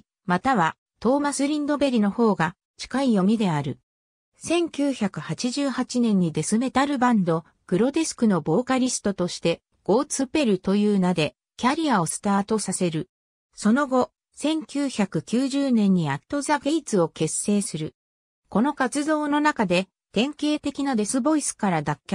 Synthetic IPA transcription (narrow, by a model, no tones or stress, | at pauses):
mat̪aβa | t̪o̞ːmasɨɾʲĩnd̪o̞be̞ɾʲino̞ho̞ːɡa | t͡ɕi̥kaijo̞mʲid̪e̞aɾɯ̟ | sẽ̞ŋkʲɨːçakɯ̟hat͡ɕiʑɨːhat͡ɕinẽ̞ɲ̟ːid̪e̞sɨme̞t̪aɾɯ̟bãnd̪o̞ | ɡ̥ɯ̟ɾo̞d̪e̞sɨ̥kɯ̟no̞bo̞ːkaɾʲisɨ̥t̪o̞t̪o̞ɕi̥t̪e̞ | ɡ̥o̞ːt͡sɨpe̞ɾɯ̟t̪o̞jɯːnad̪e̞ | kʲaɾʲiao̞sɨ̥t̪aːt̪o̞sase̞ɾɯ̟ | so̞no̞ɡo̞ | sẽ̞ŋkʲɨːçakɯ̟kʲɨːʑɨːnẽ̞ɲ̟ːiat̪ːo̞zaɡe̞it͡sɨo̞ke̞se̞ːsɨɾɯ̟ | ko̞no̞kat͡sɨzo̞ːno̞nakad̪e̞ | t̪ẽ̞ŋke̞ːt̪e̞kʲinad̪e̞sɨbo̞isɨ̥kaɾad̪akʲː